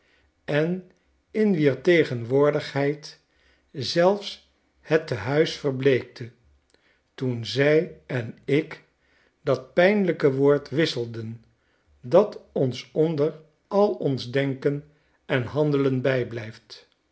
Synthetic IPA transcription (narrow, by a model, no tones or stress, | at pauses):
ɛn | ɪnʋiːɹtejχənʋʊːɹdəχɦɛjt | zɛlˠfs | hətəɦœɥsfəɹblejk̚tə | tunzɛjɛnɪk | dɑt̚pɛjnləkəʋoːɹtʋɪsəlˠdən | dɑtɔnsɔndəɹ | ɑlˠɔnzdɛŋkən | ɛnɦɑndələnbɛjblɛjft